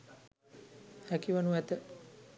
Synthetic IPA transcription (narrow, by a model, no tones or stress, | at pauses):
hækiʋanuɛt̪ə